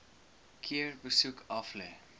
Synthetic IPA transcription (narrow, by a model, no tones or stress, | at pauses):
kʰiəɹbəsukʰɐflɛ